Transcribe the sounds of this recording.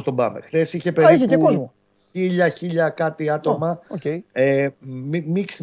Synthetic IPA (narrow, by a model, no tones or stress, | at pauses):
st̪obɐ̰mḛxθe̞siçe̞peiepeo | çiʎɐçiʎɐkɐt̪iɐt̪o̞mɐoeemimiks